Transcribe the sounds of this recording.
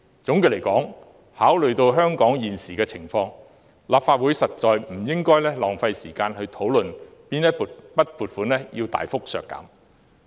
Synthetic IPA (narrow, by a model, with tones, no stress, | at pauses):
t͡sʊ˨˥ŋki˨˧le˨˩jkɔː˨˥ŋ | haː˨˥wlɵ˨ɥt̪o˧wɦœː˥ŋkɔː˨˥ŋjiː˨˩nsiː˨kɛː˧t͡sʰɪ˨˩ŋfɔː˧ŋ | laː˨pfaː˧t̚wu˨˥jsɐ˨t̚t͡ʃɔː˨jm̩˨˩jɪ˥ŋkɔː˥jlɛː˥lɔː˨˩ŋfɐ˧jsiː˨˩kaː˧nhɵ˧ɥt̪ʰo˨˥wlɵ˨n | piː˥njɐ˥pu˨pɐ˥t̚puː˨t̚fuː˨˥nlɛː˥jiː˧wt̪a̰ː˨jfʊ˥k̚sœ̰ː˨kːɐ̰ː˨˥m